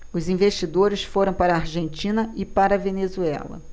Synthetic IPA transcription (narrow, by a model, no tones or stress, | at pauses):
ʊzĩveʃt͡ʃid̪oɾɪsfoɾɐ̃w̃paɾɐːɾʒẽnt͡ʃĩnɐɪpaɾɐvenezuɛ̰lɐ̰